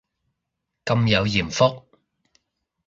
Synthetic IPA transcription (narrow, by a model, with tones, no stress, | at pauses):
kɐ˧mjɐ˨˧wjiː˨˩mfʊ˥k̚